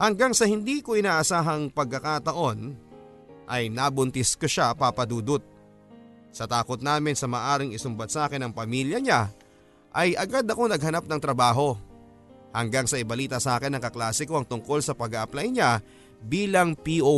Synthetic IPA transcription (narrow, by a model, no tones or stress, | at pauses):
hɐŋɡaŋsɐhɪnd̪iːkoʔɪnaːʔɐsaːɦɐŋpɐɡ̚kːɐkat̪ɐʔo̞n | ʔɐjnabʊnt̪ɪskoʃapapɐd̪uːd̪ʊt̪̚ | sɐt̪aːkot̪̚naːmɪnsɐmɐːʔaːɾɪŋɪsʊmbɐt̪̚saːkɪnɐŋpɐmiːljɐɲa | ʔɐjɐɡad̪ɐko̞nɐɡ̚hɐnap̚nɐŋt̪ɾɐbaːɦo̞ | hɐŋɡaŋsɐʔɪbɐliːt̪ɐsaːkɛnːɐŋkɐklaːsɪkoɐŋt̪ʊŋko̞lsɐpɐɡaʔɐplajɲa | biːlɐŋpiʔo